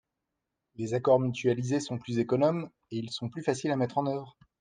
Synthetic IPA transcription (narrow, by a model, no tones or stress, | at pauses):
lezakɔʁmyt̪ɥalizesɔ̃plyzekɔnɔm | eilsɔ̃plyfasilamɛt̪χɑ̃nœvʁ